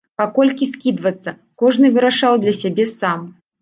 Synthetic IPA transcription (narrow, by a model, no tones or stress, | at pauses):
pakɔlʲkʲiskʲid̪vɐt̪sːɐ | kɔʐnɨvɨɾaʂawd̪lʲɐsʲabʲɛsam